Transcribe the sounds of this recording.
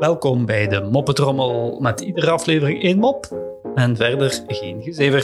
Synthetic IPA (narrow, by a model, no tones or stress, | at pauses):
ʋɛlˠkɔmbɛjdəmɔpətrɔməlˠmɛtidərəɑfleːvərɪŋeːnmɔpɛnvɛrdərɣeːnɣəzeːvər